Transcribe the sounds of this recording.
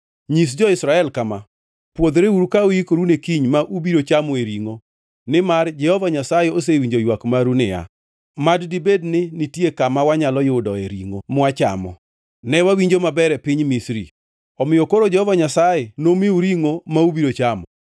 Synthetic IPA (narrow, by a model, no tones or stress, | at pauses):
ɲis̬d͡ʒɔɪsɾaɛlkama | pwod̪ɾeuɾukaojikoɾunekiɲmaʔubiɾot͡ʃamɔeɾiŋo | nɪmard͡ʒɛhɔvaɲasajɛos̬ewiɲd͡ʒojwakmaɾunɪja̰ | maddibednɪnɪtiekamawaɲalɔjʊdɔḛɾḭŋomʊat͡ʃa̰mɔ̰ | nɛwawiɲd͡ʒomabɛɾɛpɪɲmisɾḭ | ɔmɪjokoɾod͡ʒɛhɔvaɲasajɛnomɪuɾiŋomaubiɾot͡ʃamɔ